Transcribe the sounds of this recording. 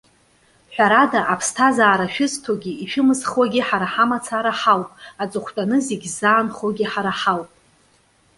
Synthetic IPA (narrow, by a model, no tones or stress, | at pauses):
ħʷᶣaɾadaʔapʰstʰazaːɾaʃᶣɪztʰoɡʲiiʃᶣʊmɨzχwaɡʲiħaɾaħamat͡sʰaɾaħawpʼat͡sʼɨχʷtʼanɨzeɡʲzaːnχoɡʲiħaɾaħawpʼ